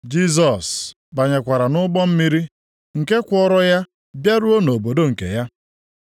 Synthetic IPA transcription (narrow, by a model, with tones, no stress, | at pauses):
d͡ʒi˦z̬ɔ˨s | ba˨ɲe˨kʷa˨ɾa˨nʊ˦ɡ͡bɔ˦m̩˦mi˦ɾi˦ | ŋ̩˨ke˦kʷɔ˦ɾɔ˦ja˦ | bja˦ɾu˦o˦no˨bo˨do˦ŋ̩˨kḛ˨ja˦